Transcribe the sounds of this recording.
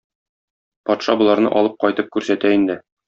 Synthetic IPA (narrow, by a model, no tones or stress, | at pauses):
pɒt̪ʃɑbŏlˠɑɾnɤ̰ʔɒlˠɤp̚qɒjt̪ɤp̚kʉɾsæt̪æind̪ɘ